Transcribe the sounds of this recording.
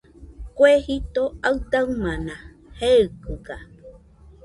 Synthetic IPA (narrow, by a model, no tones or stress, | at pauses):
kwehit̪oaɨd̪aɨmãnã | hekɨɡa